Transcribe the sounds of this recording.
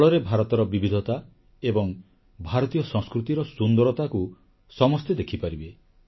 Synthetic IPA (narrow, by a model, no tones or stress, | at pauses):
ɭɔɾebʱaɾɔt̪ɔɾɔbibid̪ʱɔt̪a | ebɔŋ | bʱaɾɔt̪ijɔsɔ̃ŋskɾut̪iɾɔsund̪ɔɾɔt̪aku | sɔmɔst̪ed̪ekʰipaɾibe